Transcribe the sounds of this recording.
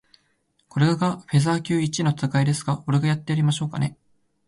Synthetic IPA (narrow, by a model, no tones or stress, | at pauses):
ko̞ɾeɡaɡaɸe̞zaːkʲɨːit͡ɕino̞t͡sɨkaid̪e̞sɨ̥ɡao̞ɾeɡajat̪ːe̞aɾʲimaɕo̞ːka̰ne̞̰